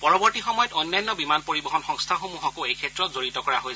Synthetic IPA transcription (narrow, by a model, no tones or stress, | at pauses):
pɔɹɔbɔɹtixɔmɔjɔtojnːajnːɔbimanpoɹibɔɦɔnxɔŋstʰaxomuɦɔkoejkʰɛtɹɔtzoɹitɔkɔɹaɦoj